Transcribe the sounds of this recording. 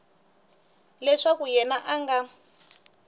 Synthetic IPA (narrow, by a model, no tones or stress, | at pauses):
lɛʂakujɛnaʔaŋɡa